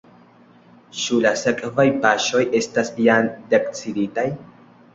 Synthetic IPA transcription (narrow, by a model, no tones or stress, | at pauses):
t͡ʃulase̞kʼvajpaʃo̞je̞stasjandekt͡siditaj